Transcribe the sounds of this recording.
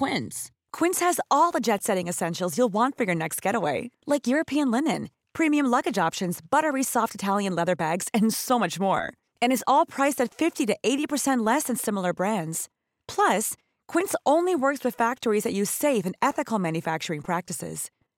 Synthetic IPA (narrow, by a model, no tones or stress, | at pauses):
kw̥ɪ̃ns | kʰw̥ɪ̃nshɨzɔlˠðəd͡ʒɛtsɛɾɪ̃ŋɨsɛ̃nʃl̩ˠzjulˠwɑ̃ntfə˞jə˞nɛkst̚ɡ̥ɛɾəweɪlaɪkjʊɹɨpʰiɨ̃nlɪnɨ̰̃n | pʰɹ̥ĩmiɨ̃mlʌɡɨd͡ʒɑpʃɨ̃nzbʌɾə˞isɔftɨtʰælˠjɨ̃nlɛðə˞bæɡz̥ɨ̃nsoʊmʌt͡ʃmɔ̰ɹ | ɨ̃ñɨzɔlˠpʰɹ̥aɪsɨtfɪftiɾɨʔeɪɾipʰə˞sɛ̃nʔˡlɛsɨ̃nsɪ̃ml̩ˠə˞bɹæ̃ndz̥ | pʰl̥ʌs | kʰw̥ɪ̃nsʔõʊ̃nliwɜ˞kswɨð̥fæk̚tə˞izðɨt͡ʃɨz̥seɪfɨ̃nɛθɨkl̩ˠmæ̃njɨfæk̚t͡ʃə˞ɪ̃ŋpʰɹ̥æk̚tɨsɪ̰z̥